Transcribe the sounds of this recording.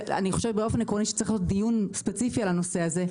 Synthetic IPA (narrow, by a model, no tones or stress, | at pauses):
a̰niχo̞ʃebeo̞fenekʁoniʃe̥t͡saʁiχlijot̚d̪ijunspet͡sifialano̞seaze̞